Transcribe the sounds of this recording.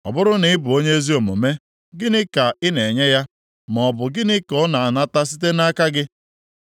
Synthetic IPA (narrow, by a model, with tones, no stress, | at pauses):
ɔ̰˨bʊ˦ɾʊ˦nɪ˦ɪ˦bʊ˨o˦ɲe˦e˦zi˦o˨mo̰˨me˦ | ɡɪ˦nɪ˦ka˨ɪ˦ne˨ɲe˦ja˦ | m˨ɔ˨bʊ˨ɡɪ˦nɪ˦kɔ˦na˨a˨na˦ta˦s̬i˦t̬e˦na˦ka˦ɡɪ˦